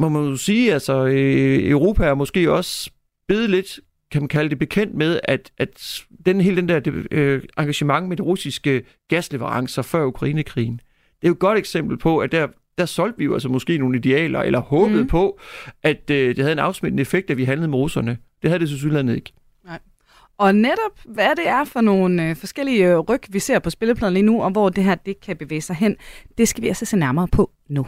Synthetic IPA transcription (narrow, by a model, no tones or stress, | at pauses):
mɒ̽mænjosiːælsɒ | øʊʁo̝̰ːpʰæɐmɒ̽sɡ̥e̝̰ːɒ̽s | b̥e̝ːð̞ˠle̝d̥ | kʰæmænkʰæləd̥e̝b̥e̝kʰen̰d̥með̞ˠæd̥ʔæd̥d̥enhe̝ːld̥end̥æɐd̥eɑ̈ŋɡ̥æɕəmɑ̈ŋmed̥iʁusisɡ̥ə | ɡ̥æsle̝ʋəʁɑ̈ŋsɐfɶɐukʰʁɑiːnəkʰʁḭːn̩ | d̥e̝æjod̚ɡ̥ɒ̽ɾ̥eɡ̥sem̰b̥l̩pʰɒ̽æd̥æɐ̰ | d̥æɐsɒ̽l̰d̥ʋijo̝ælsəmɒ̽sɡ̥e̝̰ːno̝ːn̩əid̥e̝ɛ̰ːlɐḛlʔɐhɔ̽ːb̥ð̩ˠpʰɒ̽ʔæd̥əd̥e̝hæð̞̩ˠenɑ̈ʊsmed̥n̩əefeɡ̥̚d̥æʋiɦænlð̩ˠmeʁusɐnə | d̥e̝hæðˠd̥e̝s̬ʰes̬ylæn̰ð̩ˠe̝ɡ̥ | ɒ̽neɾ̥ɒ̽b̥ʋæd̥e̝æɐfɒ̽no̝ːnfɒ̽sɡ̥el̰iəʁœɡ̥ʋise̝ɐ̰pʰɒ̽sb̥e̝ləpʰlɛðˠn̩liːnuɒ̽ʋɒːd̥e̝ɦæɐ̰d̥e̝kʰæb̥e̝ʋḛːɪsɑ̈ɪɦen̰d̥e̝sɡ̥æʋiælsəsḛnæɐmɐːpʰɒ̽ | nu